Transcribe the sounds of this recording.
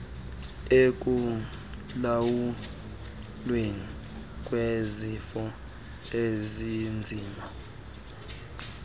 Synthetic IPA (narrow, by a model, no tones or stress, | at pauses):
ek̬ʼu | lawu | lweŋi | kʼwezifɔ | ezind͡zʱiːma